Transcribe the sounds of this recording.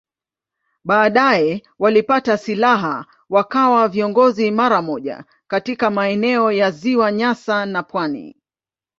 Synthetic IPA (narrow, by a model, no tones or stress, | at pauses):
ɓaːɗajɛ | walipatasilaɦa | wakawaviɔŋɡɔzimaɾamɔʄa̰ | katikamaɛnɛɔjaziwaɲasanapwanḭ